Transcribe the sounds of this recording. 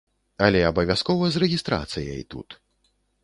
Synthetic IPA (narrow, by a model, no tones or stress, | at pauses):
ɐlʲɛɐbɐvʲaskɔvɐzrɛɣʲist̪ɾa̰t̪sɨjɐ̰it̪ṵt̪